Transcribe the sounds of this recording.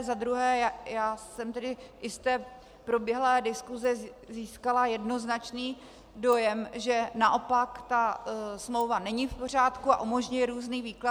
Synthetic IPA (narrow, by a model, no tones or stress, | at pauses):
zad̪ɾuɦɛːjaːsɛmt̪ɛdɪʔɪst̪ɛː | pɾo̞bjɛɦlɛːdɪskuzɛ | ziːskalajɛdno̞znat͡ʃniː | do̞jɛmʒɛnaʔo̞pakt̪asmlo̞wvanɛɲɪfpo̞r̝aːt̪kuaʔumo̞ʒɲujɛɾuːzniːviːkla